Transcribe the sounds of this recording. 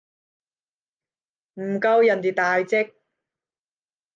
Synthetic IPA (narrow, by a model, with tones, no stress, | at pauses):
m̩˨˩kɐ˧wjɐ˨˩nt̪i˨˩t̪aː˨jt͡sɪ˥k̚